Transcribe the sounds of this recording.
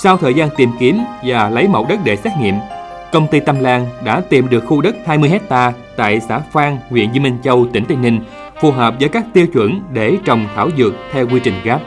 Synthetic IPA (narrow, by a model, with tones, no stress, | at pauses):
sa˧wt̪ʰəː˨˩jzaː˧nt̪i˨˩mki˨˦əmvaː˨˩lə˨˦jmə̰˧˨wɗə˦˥t̚ɗe˧˩sɛː˦˥t̚ŋḭ˧˨əm | kə˧wŋ͡mt̪i˧t̪a˧mlaː˧ŋɗa̰ː˧˥t̪i˨˩mɗɨ˨˩ək̚xu˧ɗə˦˥t̚haː˧jmɨ˧əjɦɛ˦˥k̚t̪aː˧ | t̪a̰ː˧˨jsa̰ː˧˥faː˧ŋŋwḭ˧˨ənzi˧mï˧ŋt͡ɕə˧wt̪ï˧˩ŋ̟t̪ï˧ŋ̟ɲï˧ŋ̟ | fu˨˩ɦəː˨˩p̚zəː˧˦jkaː˦˥k̚t̪i˧əwt͡ɕwə̰˧˥nɗe˧˩t͡ɕə˨˩wŋ͡mt̪ʰaː˧˩wzɨ˨˩ək̚t̪ʰɛ˧wkwi˧t͡ɕï˨˩ŋ̟ɣaː˦˥p̚